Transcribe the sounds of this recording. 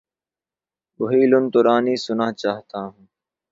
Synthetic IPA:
bʊɦiːlʊnt̪ʊɾaːniːsʊnaːɦt͡ʃaːɦt̪aːɦũː

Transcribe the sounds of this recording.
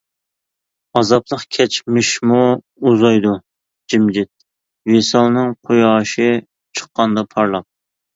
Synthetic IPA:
ɑzɑplˠəχkʲʰɛt͡ʃmɪʃmu | uzɑjd̪u | d͡ʒimd͡ʒɪt̪̚ | vesɑlˠnɨŋqʰojɑːʃɪ | t͡ʃʰə̥qːɑnd̪ɑpʰɑɾlˠɑp̚

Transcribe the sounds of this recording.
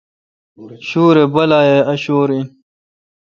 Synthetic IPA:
ɕuːɾebɐlaːjeɐɕoːɾin

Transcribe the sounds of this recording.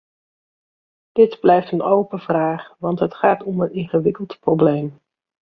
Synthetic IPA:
d̥ɪdblɛjftənowpəvraːχʋɑntɦətχaːtɔmənɪnχəʋɪkəlˠtprowblejm

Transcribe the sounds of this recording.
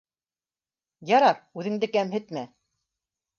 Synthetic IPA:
jɑɾɑp̚ʉðɘ̆ŋd̪ɘkæmhɘ̆t̪mæ

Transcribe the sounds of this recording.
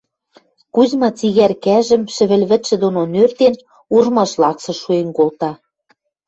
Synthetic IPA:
kuzmɑt͡siɣærkæʒɘ̆mʃɘ̆βɘ̆lβɘ̆t̪ʃɘ̆d̪ononørt̪en | urmɑʃlɑksɤ̆ʃuenkolt̪ɑ

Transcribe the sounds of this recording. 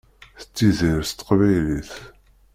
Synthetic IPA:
θə̥t͡sːiziɾst̪ːə̥qvæjliθ

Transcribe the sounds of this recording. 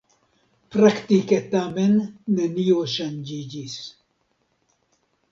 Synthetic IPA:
pɾakt̪iket̪amɛnːɛnijoːʃɐnd͡ʒid͡ʒis

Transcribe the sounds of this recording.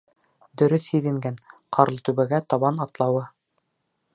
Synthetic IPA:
d̪ɵ̆ɾɵθhiðɘ̆ŋɡænqʰɑɾlˠt̪ʉβɘ̆ɡæt̪ɑβɑnɑt̪lˠɑwɤ

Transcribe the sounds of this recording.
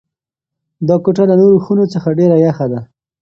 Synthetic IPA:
d̪ɑkoʈalanoɾoxunot͡səxaɖeɾajaxad̪a

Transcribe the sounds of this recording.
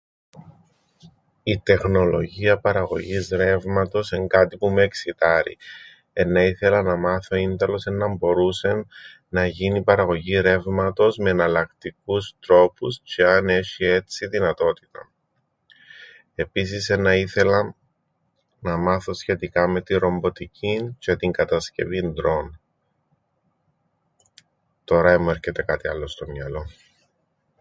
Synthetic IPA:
it̪e̞xno̞lo̞̰ʝiɐpɐɾɐɣo̞ʝizɾe̞vmɐt̪o̞se̞ŋɡɐt̪ipumueksit̪ɐɾḭ | e̞nːɐiθe̞lɐnɐmɐθo̞ind̪ɐlo̞se̞nːɐmbo̞ɾuse̞n | nɐʝinipɐɾɐɣo̞ʝiɾe̞vmɐt̪o̞zmeːnɐlɐkt̪ik̚ust̪ɾo̞pust͡ʃeɐne̞çie̞t͡siðinɐt̪o̞t̪i̥t̪ɐ̰ | e̞pis̬isenɐiθe̞lɐ | nɐmɐθo̞sçe̞t̪ikɐme̞t̪iɾo̞mbo̞t̪icʰince̞t̪iŋɡɐt̪ɐsce̞̰vind̪ɾo̞n | t̪o̞ɾɐemoe̞ɾçe̞t̪e̞kɐt̪iɐlːo̞st̪o̞mɲɐlo̞

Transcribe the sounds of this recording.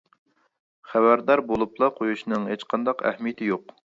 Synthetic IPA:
χæbæɾd̪ɑɾbolˠuplˠɑqʰojuʃnɨŋhet͡ʃqʰɑnd̪ɑqæ̰hmijɪt̪ʰɪjoq

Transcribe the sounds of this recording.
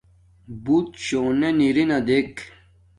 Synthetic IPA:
but̪ɕoːneniɾinad̪ek

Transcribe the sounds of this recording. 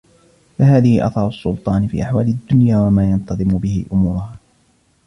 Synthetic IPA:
fahaːðɪhɪʔɑ̰θɑɾˤʊsːʊlt̪ˤɑːnɪfḭːʔaħwaːlad̪ːʊnjaːwamaːjɑnt̪ɑðˤɨmʊbɪhɪ̰ʔʊmuːɾʊhaː

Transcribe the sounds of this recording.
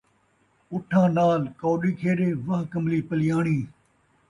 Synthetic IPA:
ʊʈʰːãːnaːlkoːɗiːkʰeːɗeːʋãːkəmliːpəlɪjaːɳiː

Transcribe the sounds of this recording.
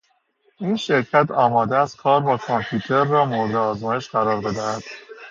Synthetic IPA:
iːnʃe̞ɾcʰæt̪ʰɒːmɒːd̪eæskʰɒːɾbɒːkʰompʰjuːt̪ʰe̞ɾːɒːmoɾed̪eɒːzmɒːjeʃɢæɾɒːɾbe̞d̪æhæd̪̥

